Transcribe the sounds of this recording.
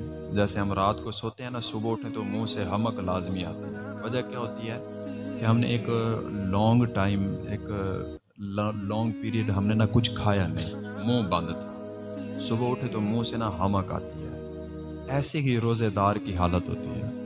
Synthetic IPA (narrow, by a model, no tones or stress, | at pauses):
d͡ʒɛːseɦəmɾaːt̪kosoːt̪eɦɛ̃ːnasʊbaʊʈʰẽt̪omũːseɦəməklaːzmia̰ːt̪iɦɛ̃ | ʋəd͡ʒakjaːɦoːt̪iɦɛː | keɦɐmnḛeːklɔ̃ːŋɡʈaːɪmḛːk | lɔ̃ːŋɡpiːɾiəɖɦɐmnenakʊt͡ʃʰkʰaːjanɐ̰ɦĩː | mũːbə̃nd̪t̪ɛː | sʊbaʊʈʰet̪omũːsenaɦɐməka̰ːt̪iɦɛ̰ː | ɛːseɦiɾoːzed̪aːɾkiɦaːlət̪ɦo̰ːt̪ḭɦɛ̰ː